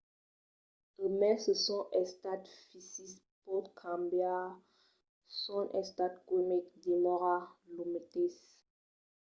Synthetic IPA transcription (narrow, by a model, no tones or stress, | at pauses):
əmɛsəsɔ̃ʔɛst̪at̪fisis | pɔt̪kʰãmbja | sɔ̃nʔɛ̃st̪at̪komik̚d̪emɔʁalumet̪es